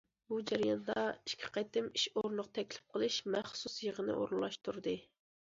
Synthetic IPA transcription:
bud͡ʒɛɾijɑnd̪ɑiʃkʲʰi̥qɑt̪ɪmiʃoɾnlˠəqt̪ʰɛkʲlɪ̥p̚qʰəlˠɨʃmɛχsusjəʁənɨ̰ʔo̰ɾlˠːɑʃt̪ʰuɾd̪ɨ

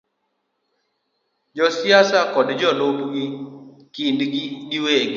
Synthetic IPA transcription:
d͡ʒɔsjasakɔdd͡ʒɔlopɡɪ | kindɡiɗiweɡɪ

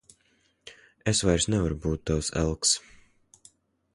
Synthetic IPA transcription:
esvajɾsnɛvaɾubuːt̪̚ːawsɛ̰lˠks

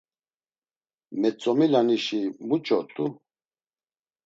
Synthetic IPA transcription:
mɛt͡sʼɔmilaniʃimut͡ʃʼɔt̪ʼu

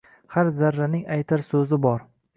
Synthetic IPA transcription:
haɾzaɾːanɪŋajt̪ʰaɾsɵzɪbɒɾ

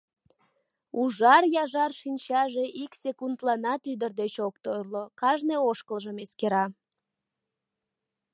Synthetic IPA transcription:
uʒɑrjɑʒɑrʃinʲt͡ɕɑʒeʔiksekund̪lɑnɑt̪yd̪ərd̪et͡ɕok̚t̪orlokɑʒneoʃkəlʒəmeskeɾɑ

